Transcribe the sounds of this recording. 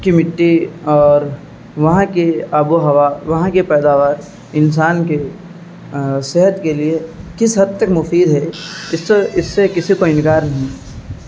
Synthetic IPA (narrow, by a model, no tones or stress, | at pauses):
kimɪʈːiɔːɾ | ʋɐɦãkeabuɦɐʋaʋɐɦãkepɛːd̪aːʋaːɾ | ɪns̬aːnke | seɦət̪keliekɪsɦɐt̪ːəkmʊfiːd̪ɦɛɪsːɪsːekɪsikoɪ̃nkaːɾnɐɦĩ